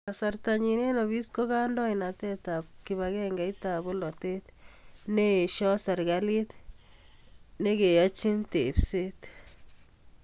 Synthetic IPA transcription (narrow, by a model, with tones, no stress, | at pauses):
asa˨ɾt̪a˨ɲine˦nɔ˨βi˦sko˦ɣa˦ndɔ˦ina˨t̪ɛ˦t̪a˨p̚ki˨βa˨ɣɛ˦ŋɡa˨i˦t̪a˨βʊ˦lɔ˨te˦t̪ne˦˨ʃɔ˦sa˨ɾɡali˦t̪ | ne˦ke˨ja˦t͡ʃi˦nt̪e˨pse˦t̪